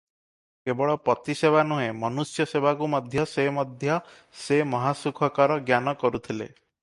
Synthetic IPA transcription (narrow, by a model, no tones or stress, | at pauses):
kebɔɭɔpɾɔt̪isebanuɦẽmɔnusjɔsebakumɔd̪ʱjɔsemɔd̪ʱjɔ | semɔɦasukʰɔkaɾɔɡjanɔkɔɾut̪ʰilḛ